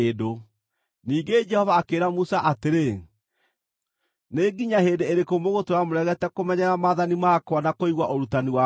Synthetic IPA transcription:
edo | niːɡed͡ʒɛhɔvaːkeːɾamusaʔateɾe | neɡiɲahedeeɾekomoɣotoɾamoɾɛɣɛtɛkomɛɲɛɾamaðanimakwanakoiɣwaʔoɾutaniwa

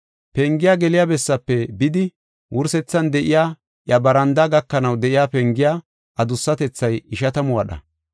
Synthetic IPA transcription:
pɛŋɡɪjaɡɛlɪjabɛsːɐpːɛbɪd̪ɪ | wʔʊɾsɛt͡sːɐnd̪ɛʔɪjaː | ʔjɐbɐɾɐnd̪aɡɐkːɐnɐwd̪ɛʔɪjaːpɛŋɡɪjaː | ʔɐd̪ʊsːɐt̪ɛt͡sːɐjɪʃɐt̪ɐmʊwɐɗɐ̰

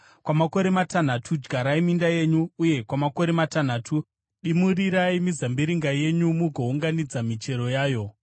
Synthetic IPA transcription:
kwamako̞ɾe̞matan̤atʰud͡ʒɡʱaɾaimindaje̞ɲuːje̞kwamako̞ɾe̞matan̤aːtʰu | ɗimuriɾaimizambiɾiŋɡaje̞ɲumuɡʱouŋɡanid͡zamit͡ʃe̞ɾo̞jaːjo̞

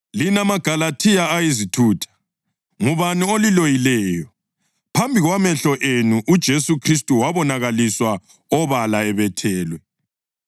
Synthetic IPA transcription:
linamaɡ̥ʱalatʰijaajizitʰuːtʰḁ | ŋuβaniolilojilɛːjɔ | pʰambʱiɣwamɛɬɔʔenuʔud̥ʒ̥ʱesukʰristʼuwaβɔnaɣaliswa | ɔβalaɛβɛtʰɛːlwɛ

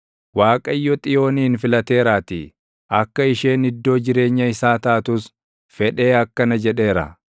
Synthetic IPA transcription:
waːkʼɐjːɔt̪ʼɪjo̞ːniːnfɪlɐt̪e̞ːɾaːt̪ɪ | ɐkːɐɪʃe̞ːnɪd̪ːo̞ːd͡ʒɪɾe̞ːɲːɐɪsaːt̪ɐʔɐt̪ʊs | fɛᶑe̞ːɐkːɐnɐd͡ʒɛᶑe̞ːɾɐ̰

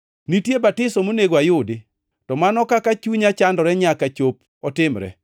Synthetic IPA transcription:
nitjebatɪsɔmoneɡwajʊdɪ | tɔmanɔkakat͡ʃuɲat͡ʃandɔɾɛɲakat͡ʃop̚ | ɔtɪmɾɛ̰

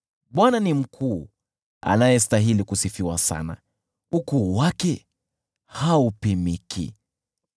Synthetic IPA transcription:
ɓwananim̩kʰuː | a̰najɛstaɦilikusifiwasa̰na̰ | ukuːwakɛ | haupimikʰḭ

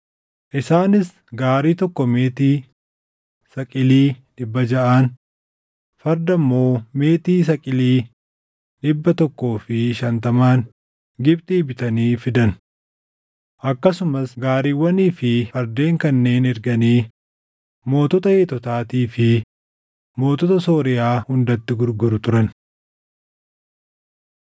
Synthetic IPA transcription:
ʔɪsaːnɪs | ɡaːɾiːt̪ɔkːɔme̞ːt̪iː | sɐkʼɪliːᶑɪbːɐd͡ʒɐʔaːn | fɐɾd̪ɐmːo̞ːme̞ːt̪iːs̬ɐkʼɪliː | ɗɪbːɐt̪ɔkːo̞ːfɪʃɐnt̪ɐmaːŋ | ɡɪb̚t̪ʼiːbɪt̪ɐniːfɪd̪ɐn | ʔɐkːɐsʊmɐsɡaːɾiːwːɐniːfɪfɐɾd̪e̞ːŋkɐnːe̞ːnɛɾɡɐniː | mo̞ːt̪ɔt̪ɐheːt̪ɔt̪aːt̪iːfɪ | mo̞ːt̪ɔt̪ɐso̞ːɾɪjaːhʊnd̪ɐt̪ːɪɡʊɾɡʊɾʊt̪ʊɾɐn

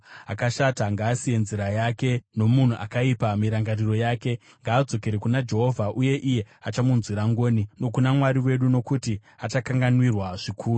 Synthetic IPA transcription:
akaʃataŋɡaːsije̞nziɾajake̞no̞mun̤uʔakaipamiɾaŋɡariro̞jaːke̞ | ŋɡaːd͡zo̞ke̞ɾekunad͡ʒe̞ɦo̞vʱaʔuje̞ʔije̞at͡ʃamunzwiɾaŋɡo̞ːnino̞kunamwaɾiwe̞ɗuno̞kuti | at͡ʃakaŋɡanwirwaʐikʰuːru

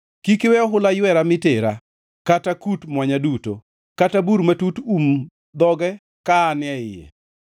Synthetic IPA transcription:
kikewɛɔɦʊlajwɛɾamɪteɾa | katakutmwaɲaduto̰ | katabuɾmatutum | d̪ɔɡɛ | kaːnɪɛɪjɛ̰

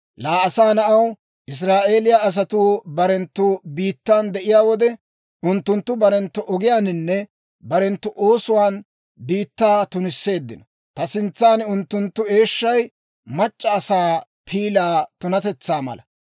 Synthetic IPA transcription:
laːɐsaːnɐʔɐw | ʔɪs̬ɾaːʔe̞ːlɪjaɐs̬ɐt̪uːbɐɾɛnt̪ːʊbiːt̪ːaːnd̪ɛʔɪjaːwɔd̪ɛ | ʔʊnt̪ːʊnt̪ːʊbɐɾɛnt̪ːʊʔɔɡɪjaːnɪnːɛ | bɐɾɛnt̪ːʊʔoːsʊwaːn | biːt̪ːaːt̪ʊnɪsːe̞ːd̪ːɪnɔ | t̪ɐsɪnt͡sːaːnʊnt̪ːʊnt̪ːʊe̞ːʃːɐj | mɐt͡ʃʼːɐːsaː | pʰiːlaːt̪ʊnɐt̪ɛt͡sːaːmɐ̰lɐ̰

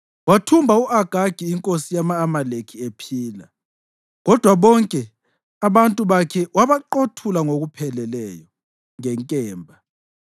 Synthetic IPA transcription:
watʰumbʱauʔaɡ̥ʱaɡ̥ʱiːŋkʼosijamaːmalekʰiepʰiːla | ɣɔd̥ʱwaβɔŋkʼɛ | aβantʼuβakʰɛwaβaǃotʰulaŋoɣupʰɛlɛlɛːjɔ | ŋɛŋkʼɛːmbʱa

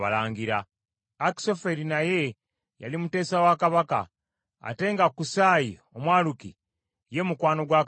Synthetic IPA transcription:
alaːŋɡiɾa | aki̥so̞fe̞ɾinaje̞ | ja̰limute̞ːsawakaβaka̰ː | te̞ŋɡakusaːji | omwaːluki | je̞mukwaːno̞ɡwaː

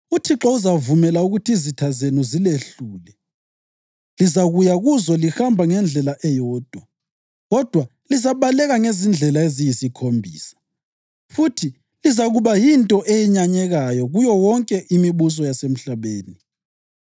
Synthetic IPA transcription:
utʰiǁɔuzavumɛlauɣutʰiizitʰazenuzileɬuːlɛ | lizaɣujaɣuzɔlixambʱaŋɛnd͡ɮʱɛlaʔɛjɔːd̥ʱwa | ɣɔd̥ʱwa | lizaβalɛɣaŋezind͡ɮʱɛlaezijisikʰombʱiːsḁ | futʰi | lizaɣuβajintʼɔʔejiɲaɲɛɣajɔɣujɔwɔŋkʼɛʔimiβus̬ɔjasem̩ɬaβeːni

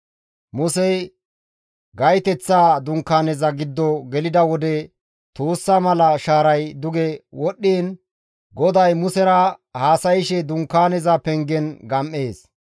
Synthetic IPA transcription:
mʊsɛj | ɡɐjt̪ɛt͡sːaːd̪ʊŋkːaːnɛzɐɡɪd̪ːɔɡɛlɪd̪ɐwɔd̪ɛ | t̪oːsːamɐlɐʃaːɾɐjd̪ʊɡɛwɔɗːiːn | ɡɔd̪ɐjmʊsɛɾɐhaːsɐjɪʃɛd̪ʊŋkːaːnɛzɐpɛŋɡɛnɡɐmʔːe̞ːs

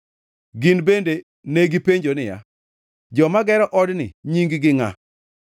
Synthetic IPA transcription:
ɡinbende | neɡipeɲd͡ʒonɪja̰ | d͡ʒɔmaɡɛɾɔʔɔdnɪ̰ɲiŋɡɡɪŋa̰

